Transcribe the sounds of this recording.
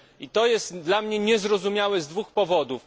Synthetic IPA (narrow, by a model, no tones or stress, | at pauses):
it̪ɔjɛst̪d̪lamɲɛɲɛzɾɔzumʲjawɛzd̪vuxpɔvɔd̪uf